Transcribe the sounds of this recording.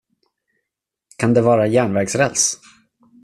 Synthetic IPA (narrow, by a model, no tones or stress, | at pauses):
kʰand̪ɛvɑːɾajæːɳvɛːɡsɾɛls